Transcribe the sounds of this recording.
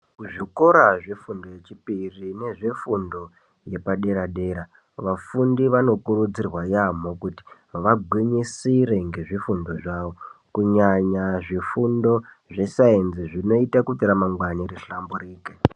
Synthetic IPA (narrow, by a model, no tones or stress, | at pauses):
kuʐiko̞ɾaʐefundo̞je̞t͡ʃipirine̞ʐe̞fundo̞ | je̞paɗe̞ɾaɗe̞ːɾa | ʋafundiʋano̞kuɾud͡zirwajam̤okuti̥ | ʋaɡʱwiɲisiɾe̞ŋɡe̞ʐifundo̞ʐaːʋo̞kuɲaɲaʐifundo̞ | ʐe̞saenziʐino̞itakutiɾamaŋɡwaniɾiɬamburiːke